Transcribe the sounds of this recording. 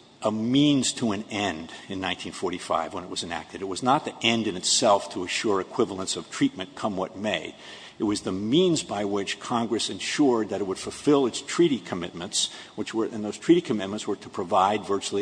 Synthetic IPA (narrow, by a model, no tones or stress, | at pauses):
ʔəmĩnz̥tʰəɨ̃nɛ̃ndɨ̃nːãɪ̃ntʰĩnfɔɹɾifa̰ɪvwə̃nɨt̚wʌzɨ̃næ̰k̚tɨɾɨt̚wʌznət̪̚ðiʔɛ̃ndɨ̃nɨtsɛlˠftʰəɨʃʊɹɨkʰw̥ɪvl̩ˠə̃nsʌv̥tʰɹ̥it̚mɨ̃nkʰʌ̃mwʌ̰t̚meɪɾ | ɨt̚wʌzðɨmĩnzbaɪwɪt͡ʃkʰɑ̃ŋɡɹɨsɨ̃nʃʊɹd̪̚ðɨɾɨt̚wəd̥fl̩ˠfɪlˠɨtstʰɹ̥iɾikʰɨmɪt̚mɨ̃ntswɨt͡ʃwə˞ʔɨ̃nðoʊz̥tʰɹ̥iɾikʰɨmɪt̚mə̃ntswə˞ɾəpʰɹ̥ɨvaɪdvɜ˞t͡ʃl̩ˠi